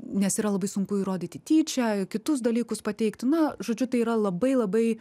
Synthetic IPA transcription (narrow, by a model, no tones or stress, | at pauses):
nʲɛsiːɾɐlˠɐbɐɪsʊŋkʊiːɾoːd̪ʲiːt̪ʲɪt̪ʲiːt͡ʃʲɛkʲɪt̪ʊsd̪ɐlʲiːkʊspɐt̪ʲɛɪkt̪ʲnɐʒoːd͡ʒʲʊt̪ɐɪiːɾɐlˠɐbɐɪlˠɐbɐɪ